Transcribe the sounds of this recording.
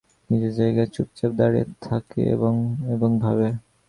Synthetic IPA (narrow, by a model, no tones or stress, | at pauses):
nid͡ʑeɾd͡ʑajɡaet͡ɕup̚t͡ɕap̚d̪aɽiet̪ʰakḛḛboŋeboŋbʱabe